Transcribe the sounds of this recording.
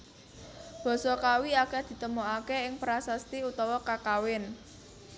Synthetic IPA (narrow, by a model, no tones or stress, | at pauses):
b̥ɔ̤sɔkawiakɛd̪̥i̤t̪əmoakeɪŋpɾasast̪iut̪ɔwɔkakawɪn